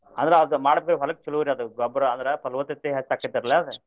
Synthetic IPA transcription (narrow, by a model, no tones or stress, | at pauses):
ɐnd̪ɐɾeɐd̪umaːɽbekɾɦɐlɐk̚t͡ʃɐluɾiɐd̪uɡɔbɾɐɐnd̪ɐɾepɐlʋɐt̪ːit̪ːeɦɐt͡ʃːaːkːid̪ɐɾɐleɐd̪ɐ